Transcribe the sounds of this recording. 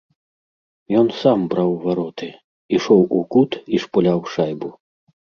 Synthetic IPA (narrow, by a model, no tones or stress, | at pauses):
jɔnsambɾawvaɾɔt̪ɨ | iʂɔwukut̪iʂpulʲawʂajbu